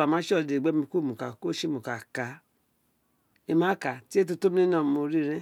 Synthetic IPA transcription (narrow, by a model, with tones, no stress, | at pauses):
a˨mã˨˦ʃɔ˦˨de˨ɡ͡be˦mĩ˧ko˦˨mũ˨ka˨ko˦ʃi˦mũ˨ka˨ka˨˧ | e˧mã˨˦ka˨ti˦e˦t̬u˧to˦mi˦i˦nã˦˨mo˧ɾi˦˧ɾɛ̃˦